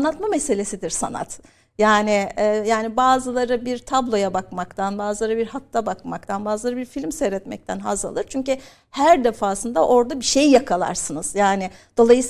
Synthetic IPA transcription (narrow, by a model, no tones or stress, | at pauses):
nːat̪mamese̞lʲe̞sid̪iɾsa̰na̰t̪ | jaːnɪɛjaːnibaːzɯlˠaɾɯbiɾt̪ʰablˠo̞jabakmakt̪ʰanbaːzɯlˠaɾɯbiɾhat̪ʰːabakmak̚t̪ʰanbaːzɯlˠaɾɯbiɾfilʲmseːɾɛt̪mɛ̰c̚t̪ʰænɦaza̰lˠɯɾt͡ʃʰyɲcy | hæɾd̪efaːsɯnd̪aʔo̞ɾd̪abiʃe̞jjakʰalˠa̰ɾsɯnɯz̥jaːnɪd̪̥o̞lˠajɯs